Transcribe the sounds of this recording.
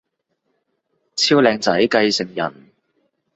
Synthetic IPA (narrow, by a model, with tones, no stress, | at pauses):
t͡sʰiː˥wlɛː˧ŋt͡sɐ˨˥jkɐ˧jsɪ˨˩ŋjɐ̰˨˩n